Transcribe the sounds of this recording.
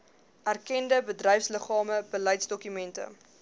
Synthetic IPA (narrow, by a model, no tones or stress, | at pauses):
ʔærkɛndəbədrɛjfsləχɑːməbəlɛjtsdɔkymɛntə̰